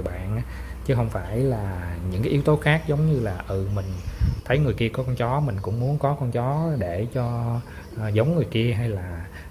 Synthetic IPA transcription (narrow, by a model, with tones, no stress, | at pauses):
ɓa̰ː˧˨nʔ | t͡ɕɨ˨˦ɦə˧wŋ͡mfaː˧˩jlaː˨˩ɲɨ̰˧˥ŋkaː˦ʔi˨˦wt̪o˨˦xaː˦˥k̚zə˨˦wŋ͡mɲɨ˧laː˨˩ʔɨ˨˩mï˨˩ŋ̟t̪ʰə˨˦jŋɨ˨˩əjki˧əkɔ˨˦kɔ˧nt͡ɕɔ˨˦mï˨˩ŋ̟kʊ̰˧˥ŋ͡mmu˨˦ənkɔ˨˦kɔ˧nt͡ɕɔ˨˦ɗe˧˩t͡ɕɔ˧˨˩ | zə˨˦wŋ͡mŋɨ˨˩əjki˧əɦaː˧jlaː˨˩